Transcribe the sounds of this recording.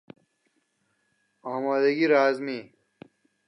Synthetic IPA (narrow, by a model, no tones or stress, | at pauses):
aːmaːd̪ɐɡiɾaːzmi